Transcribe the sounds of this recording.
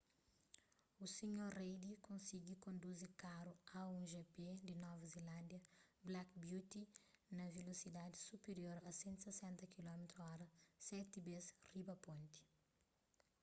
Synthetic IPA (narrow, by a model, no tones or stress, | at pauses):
usiɲoɾrejd̪ikõnsiɡikõnd̪uzikaɾuaũʒeped̪inɔvɐzilãnd̪jɐblakbjut̪inɐvelosid̪ad̪isupeɾjoɾɐsẽnt̪u̥sesɛ̃nt̪ɐkilɔmet̪ɾuɔɾɐsɛt̪ibesribɐpõnt̪i̥